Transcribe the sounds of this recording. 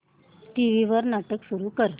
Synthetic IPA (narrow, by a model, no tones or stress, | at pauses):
ʈiʋiʋəɾnaʈəksuɾukəɾ